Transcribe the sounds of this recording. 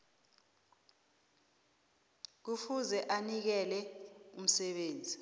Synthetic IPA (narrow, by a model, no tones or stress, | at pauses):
k̬ufuzɛʔanik̬ɛlɛum̩sɛɓeːnd͡zʱi